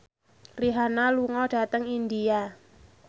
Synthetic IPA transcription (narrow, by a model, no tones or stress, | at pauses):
riɦanaluŋɔɖ̥a̤t̪əŋind̪ia